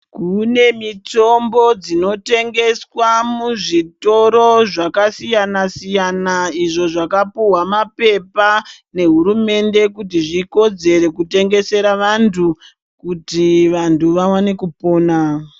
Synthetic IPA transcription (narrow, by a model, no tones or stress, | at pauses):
kune̞mito̞mbo̞d͡zino̞te̞ŋɡe̞swamuʐito̞ɾo̞ʐakasijanasijanaiʐo̞ʐakapuwamape̞pa | ne̞ɦuɾume̞nde̞kut̬iʐiko̞d͡ze̞ɾe̞kute̞ŋɡe̞se̞ɾaʋantʰu | kutiʋantuʋawane̞kupo̞ːna